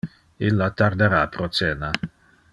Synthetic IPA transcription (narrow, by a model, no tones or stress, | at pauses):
ilːat̪aɾd̪eɾapɾot͡s̪ɛːna